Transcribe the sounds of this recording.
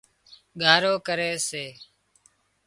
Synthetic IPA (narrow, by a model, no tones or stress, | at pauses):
ɡʱaːɾoːkəɾeːseː